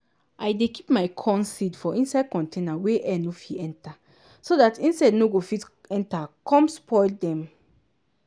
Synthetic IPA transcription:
ʔajdeki̥pmaɪkʰɔ̃nsidfɔʔĩnsaɪd̚kɔ̃ntʰẽnaweʔɛnofiɛ̃nta | soðatĩnsadnoɡofit | ɛ̃ntakʰɔ̃mspʰɔɪldɛ̃m

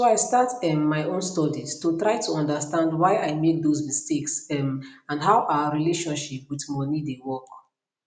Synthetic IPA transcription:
soaɪstatɛmːaɪõnstɔdistutɹaɪtʰuɔ̃ndəstãndwaɪʔaɪmek̚dozmisteksɛmãndɦaʊʔawəɹileʃɔ̃nʃipwiθmɔnidewɔk

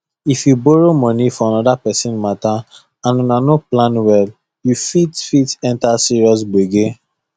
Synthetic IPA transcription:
ifjubɔɹomɔ̃nifɔãnɔdapɛsĩnmata | ãnunanoplãnwɛl | jufitfitɛ̃ntasiɹiɔs̬beɡe

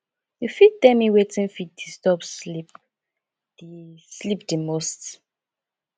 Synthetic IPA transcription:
jufit̚dɛ̃miwetʰĩnfit̚distɔpslip̚ | d̥islipdimost

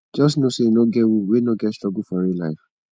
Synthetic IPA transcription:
d͡ʒɔsnosenõɡɛwuwenõɡɛtstɹɔɡufɔɾilaɪf

